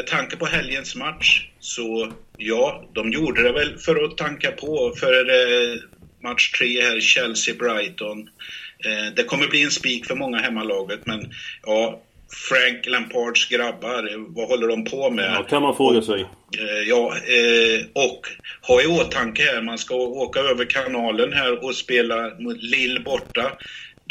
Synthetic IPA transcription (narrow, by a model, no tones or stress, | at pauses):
mɛt̪ʰaŋkəpɔɦɛljənsmat̪ʂsɔjɑːd̪ɔmjuːɖəd̪ɛvɛlfœɾɔt̪ʰɛŋkapʰɔfœɾəɾɛ | mat̪ʂʈ̪ʰɾeːhæːɾɕɛlsɪbɾajt̪ɔn | d̪ɛkʰɔmːəɾbliːɛnspiːkfœɾmɔŋːaɦɛmːalɑːɡət̪mɛnjʔɑː | fɾaŋklɛmpʰɑɖʂɡɾabːaɾvahɔlːəɖɔmpʰɔmɛt̪ʰɛmːafɾoːɡasɛjjɑː | ɔkhɑjɪoːt̪ʰaŋkəhæːɾmanskaoːkaøːvəɾkʰanɑːlənɦæːɾɔspeːlamʊt̪lɪlːbɔʈːa